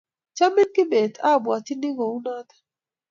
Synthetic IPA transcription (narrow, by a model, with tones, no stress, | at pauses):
t͡ʃa˦mɪ˦nkɪ˦be˨t̪ʰa˦˨bwa˨t̪i˦ni˦ɡɔ˨u˦na˦t̪ḁ˨